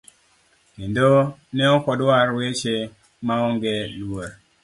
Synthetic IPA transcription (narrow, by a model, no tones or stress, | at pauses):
kendonɛɔkɔdwaɾwet͡ʃe | maɔŋɡelwoɾ